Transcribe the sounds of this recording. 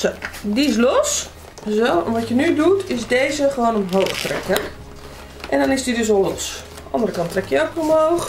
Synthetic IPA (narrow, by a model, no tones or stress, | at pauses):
odiɪs̬los | zoɛ̰nʋɔtjənydutʰɪsdeːzəxəʋoːnənɦowxtrɛ̰kə | ʔɛndɔnɪsdidøs̬olos | ɑ̰ndərəkɑntʰrɛkjəoxomhoːx